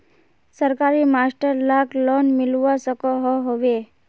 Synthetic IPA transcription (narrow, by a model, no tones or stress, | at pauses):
səɾkaɾimasʈəɾlaklɔnmɪlʋasəkɔɦɔɦoʋe